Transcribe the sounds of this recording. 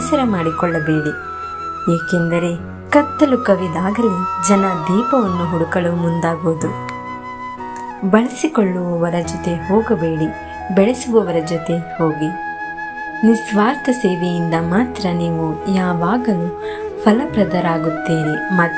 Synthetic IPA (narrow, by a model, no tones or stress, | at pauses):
sɐɾɐmaːɽikɔɭːɐbeːɽi | jeːkend̪ɐɾe̞ | kɐt̪ːɐlukɐʋid̪aːɡɐlid͡ʒɐnɐd̪iːpɐʋɐnːuɦuɽukɐɭumund̪aːɡoːd̪u | bɐɭisikɔɭːuʋɐʋɐɾɐd͡ʒɔt̪e̞ɦoːɡɐbe̞ːɽi | bɛɭesuʋɐʋɐɾɐd͡ʒɔt̪e̞ho̞ːɡi | nisʋaːɾt̪ʰɐse̞ːʋejind̪ɐmaːt̪ɾɐniːʋujaːʋaːɡɐnu | pʰɐlɐpɾɐd̪ɐɾaːɡut̪ːeːnemɐ